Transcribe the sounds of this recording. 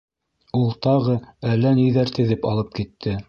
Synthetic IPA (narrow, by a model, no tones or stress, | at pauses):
ulˠt̪ɑʁɤælːænijðæɾt̪ɘ̆ðɘpɑ̰lˠɤp̚kit̪ʰːɘ